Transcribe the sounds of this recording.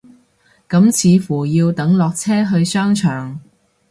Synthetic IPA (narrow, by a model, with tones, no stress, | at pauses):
kɐ˨˥mt͡sʰiː˨˧fuː˨˩jiː˧wt̪ɐ˨˥ŋlɔː˨k̚t͡sʰɛː˥ɦɵ˧ɥsœː˥ŋt͡ʃʰœː˨˩ŋ